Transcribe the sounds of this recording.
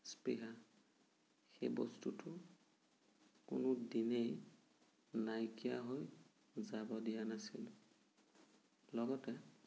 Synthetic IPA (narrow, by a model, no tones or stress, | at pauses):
spɹiɦa | xḛjbɔ̰stutʰʊ | kʊ̰nʊdinej | najkijaɦoj | zabɔdijanasil | lɔɡɔtɛ